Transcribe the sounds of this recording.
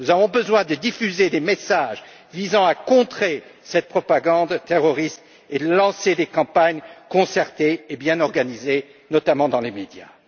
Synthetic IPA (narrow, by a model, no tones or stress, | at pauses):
nuzavɔ̃bəzwɛ̃d̪əd̪ifyzed̪emesaʒ | vizɑ̃akɔ̃t̪χesɛt̪̚pχɔpaɡɑ̃d̪t̪eʁɔʁist̪ | elɑ̃sed̪ekɑ̃paɲkɔ̃sɛʁt̪eːbjɛ̃nɔʁɡanize | nɔt̪amɑ̃d̪ɑ̃lemed̪ja